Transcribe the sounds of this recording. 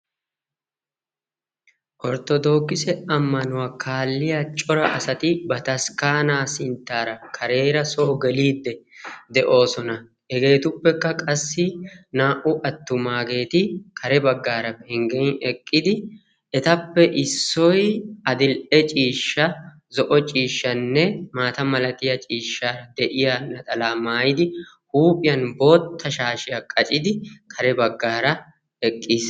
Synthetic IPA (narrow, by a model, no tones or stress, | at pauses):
ʔɔɾt̪ɔd̪o̞ːkːɪsɛɐmːɐnʊwaːkʰaːlːɪjat͡ʃʼɔɾɐʔɐsɐt̪ɪbɐt̪ɐskaːnaːsɪnt̪ːaːɾɐkʰɐɾe̞ːɾɐsoːɡɛliːd̪ːɛd̪ɛʔo̞ːsɔnɐ | ʔɛɡe̞ːt̪ʊpːɛkːɐkʼɐsːɪnaːʔʊʔɐt̪ːʊmaːɡe̞ːt̪ɪkʰɐɾɛbɐɡːaːɾɐbɛŋɡɛjɛkʼːɪd̪ɪ | ɛt̪ɐpːɛʔɪsːɔjɐd̪ɪlʔɛt͡ʃʼiːʃːɐ | zɔʔɔt͡ʃʼiːʃːɐnːɛmaːt̪ɐmɐlɐt̪ɪjɐt͡ʃʼiːʃːaːɾɐd̪ɛʔɪjanːɐt̪ʼɐlaːmaːjɪd̪ɪ | huːpʼɪjɐnbo̞ːt̪ʰːɐʃaːʃɪjɐkʼɐt͡ʃʼɪd̪ɪkʰɐɾɛbɐɡːaːɾɐ | ɛkʼːiːs